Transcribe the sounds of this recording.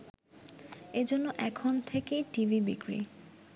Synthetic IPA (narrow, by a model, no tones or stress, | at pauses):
ed͡ʑonːoʔɛkʰont̪ʰekeʈivʱibḭkɾḭ